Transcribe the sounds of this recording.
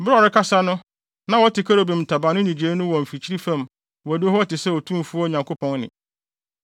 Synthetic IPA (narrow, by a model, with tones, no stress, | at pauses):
bɾa˨ɾɪ˦kʰa˦sa˦nʊ̃˦ | nã˦wɔ˦tɪ˨kʰa˦ɾo˨bĩ˨m̩˨tʰa˨bã˨nʊ̃˦nĩ˨d͡ʑeː˨˦nʊ̃˦wɔ˨m̩˨fi˨t͡ɕʰi˦ɾi˦fã˦m | wɔ˨dɪ˦ɦɔ˦ɔ˦tɪ˨sɛ˦ɔ˨tʰũ˦m˨fu˦ɔ˦˨ɲã˨ŋkʰo˦pʰɔ̃˦nnɪ̰̃˨